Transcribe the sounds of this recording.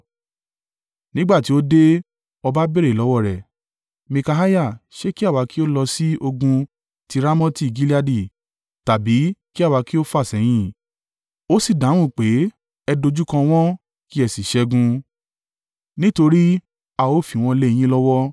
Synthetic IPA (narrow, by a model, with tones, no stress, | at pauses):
nĩ˦ɡ͡ba˦˨ti˨˦o˦de˦ | ɔ˧ba˦be˦ɾe˦˨lɔ˨˦wɔ˦˨ɾɛ˨ | mĩ˧ka˧ɦa˦ja˦˨ʃe˦ki˦a˦˨wa˨˧ki˦o˦lɔ˧si˦o˧ɡũ˧ | ti˧ɾa˦mɔ̃˦ti˦˨ɡi˦li˦a˧di˦˨ | ta˨bi˨˦ki˦a˦˨wa˨˧ki˦o˦fa˦˨sɛ˨˦j̃ĩ˦ | o˦si˦˨dã˨˦ũ˦˨k͡pe˨˦ | ɛ˧do˧d͡ʒu˦kã˧w̃ɔ̃˦ | ki˦ɛ˨si˨ʃɛ˧˦ɡũ˧ | nĩ˦to˧ɾi˦ | a˨o˦˨fi˨w̃ɔ̃˧le˧j̃ĩ˦lɔ˦wɔ˦